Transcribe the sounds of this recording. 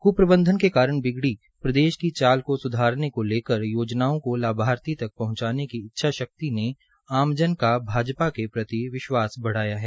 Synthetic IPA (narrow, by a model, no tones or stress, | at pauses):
kupɾəbə̃nd̪ʱənkekaːɾəɽ̃bɪɡɽi | pɾɐd̪eːʃkit͡ʃaːlkosʊd̪ʱaːɾnekoleːkəɾjoːd͡ʒnaːõkolaːbʱaːɾt̪it̪ɐk̚pɐɦʊ̃ɲt͡ʃaːnekiɪtːʃʰaʃɐk̚t̪ine | aːmd͡ʒənkabʱaːd͡ʒpakepɾɐt̪iʋɪʃwaːsbɐɽ̤aːjaɦɛː